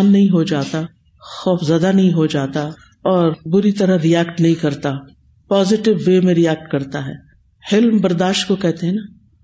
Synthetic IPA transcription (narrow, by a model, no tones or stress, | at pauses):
nːɐɦĩɦod͡ʒaːt̪a | xɔːfzɐd̪anɐɦĩɦod͡ʒaːt̪a | ɔːɾbʊɾit̪ɐɾəɾiɛːkʈnɐɦĩkɐɾt̪a | paːzɪʈɪʋːeːmẽɾiɛːk̚ʈkɐɾt̪aɦɛ̰ː | hɪlmbɐɾd̪aːʃʈkokɛɦt̪eɦɛ̃naː